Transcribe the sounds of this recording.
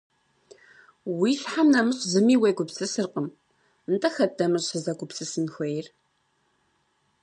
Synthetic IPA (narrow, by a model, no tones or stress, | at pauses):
wiɬħamnɐmɨɕʼzɨmiːweɡʷʊpsɨsɨrqəm | ntʰʼɐxɐdɐmɨrɕɨzɐɡʷʼʊpsɨsɨnxʷɐjɪr